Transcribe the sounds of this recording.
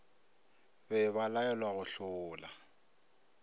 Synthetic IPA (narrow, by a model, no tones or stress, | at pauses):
bɛβalaɛlwaɣʊɬʊːla